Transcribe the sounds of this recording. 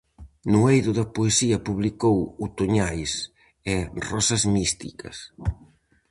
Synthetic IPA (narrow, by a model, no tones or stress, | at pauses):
nuejðʊðɐpoesiɐpuβlikowut̪oɲajs | ɛrɔsɐzmist̪ḭkɐ̰s